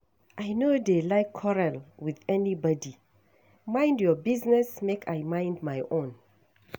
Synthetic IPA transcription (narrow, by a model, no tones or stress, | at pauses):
ʔajnodelajkʰːɔɹalwiðɛnibɔdi | mãjndjɔbiznɛsmekʰajmãjndmajʔõn